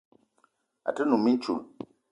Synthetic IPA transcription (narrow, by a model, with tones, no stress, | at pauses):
a̰˨tɨ˦nũ˨mi˦t͡ʃṵ˨l